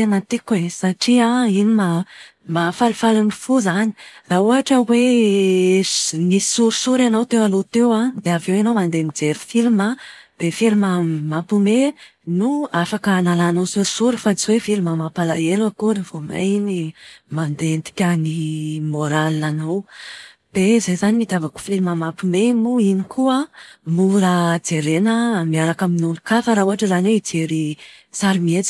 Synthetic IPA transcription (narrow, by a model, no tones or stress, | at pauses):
t̪enət̪ikesaʈ͡ʂiainima | mafalifalanifuzani̥rauɦaʈ͡ʂəwe | nisisuɾisuɾanowt̪ewalot̪ewad̪eavewenowmand̪emid͡zeɾifilmab̪̥efilməmapumenuafakənalanowsuɾsuɾifat͡swefilimamapalaelwakuɾivoma̰jnimand̪ent̪i̥kʲanimoɾalianow | b̪̥ezejzanimid̪avaku̥filməmapumemuinikuəmuɾad͡zeɾenəmiaɾakaminulukafaɾauɦaʈ͡ʂəzaneid͡ʒeɾisaɾimiet͡si̥